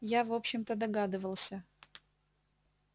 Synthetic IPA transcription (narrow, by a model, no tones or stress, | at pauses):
javo̞pɕːɪmt̪əd̪ɐɡad̪ɨvəlˠsʲə